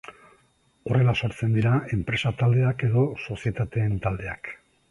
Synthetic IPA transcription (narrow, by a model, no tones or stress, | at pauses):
o̞re̞laso̞ɾt͡se̞nd̪iɾae̞mpɾe̞sat̪ald̪e̞ake̞ðo̞so̞sie̞t̪at̪e̞ːnt̪ald̪e̞a̰k